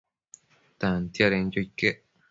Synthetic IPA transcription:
t̪ant̪jaɾend͡ʒoikːeʔ

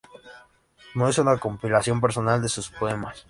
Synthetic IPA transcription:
noesunako̞mpilasjo̞mp̬e̞ɾso̞nald̪e̞suspo̞e̞mas

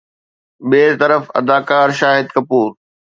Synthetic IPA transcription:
ɓeːɾt̪ɐɾəfɐ̰d̪aːkaːɾʃaːɦɪd̪kɐpuːɾ

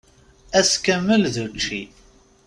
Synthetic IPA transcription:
æskəmːəlðut͡ʃːi

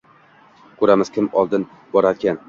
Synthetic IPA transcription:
kʰɵɾamɪz̥kʲʰɪmɒlˠd̪ɪn | bɒɾaɾkʲʰan

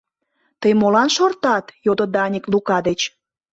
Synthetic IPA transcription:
t̪əjmolɑnʃort̪ɑt̪jod̪od̪ɑnʲiklukɑd̪et͡ɕ

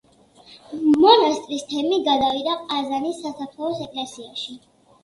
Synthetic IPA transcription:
mɔnast̪ʼɾist̪ʰɛmiɡad̪avid̪aqʼazanisːasapʰlɔsɛkʼlɛsiaʃi

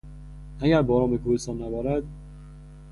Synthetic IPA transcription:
ʔæɟæɾbɒːɾɒːmbekʰuːhest̪ɒːnːæbɒːɾæd̪̚

